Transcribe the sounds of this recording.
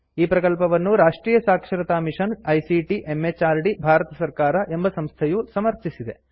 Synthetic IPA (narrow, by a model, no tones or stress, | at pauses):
iːpɾɐkɐlpɐʋɐnːuɾaːʂʈɾiːjɐsaːkʂɐɾɐt̪aːmiʂɐnɐjsiʈiʔemːet͡ʃaːɾɖibʱaːɾɐt̪ɐsɐɾkaːɾɐʔe̞mbɐsɐmst̪ʰɐjusɐmɐɾt͡ʃisid̪e̞